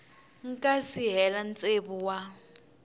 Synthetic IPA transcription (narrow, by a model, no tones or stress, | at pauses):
ŋ̩kʼasiɦɛlant͡sʼebuwa